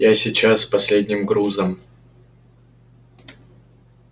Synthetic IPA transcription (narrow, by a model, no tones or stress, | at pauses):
jasʲɪt͡ɕaspɐsʲlʲedʲnʲɪmɡɾuzəm